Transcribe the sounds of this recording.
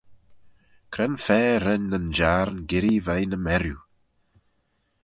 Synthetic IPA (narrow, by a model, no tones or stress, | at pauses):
kʰɾɛnfɛːɾɛnːənd͡ʒaːɾnɡɪɾivajnəmɛɾju